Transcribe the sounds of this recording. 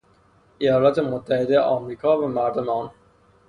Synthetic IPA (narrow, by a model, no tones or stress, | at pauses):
ʔejɒːlɒːt̪ʰe̞mot̪ʰːæhe̞d̪eeʔɒːmɾiːkʰɒːvæmæɾd̪omeɒːn